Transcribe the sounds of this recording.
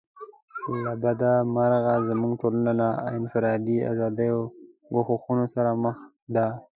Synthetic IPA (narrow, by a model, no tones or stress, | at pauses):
labad̪amaɾɣazamuŋɡʈolanana̰ɪnfɪɾɑd̪ia̰zɑd̪əjo | ɡoxoxunosaɾaməx | d̪a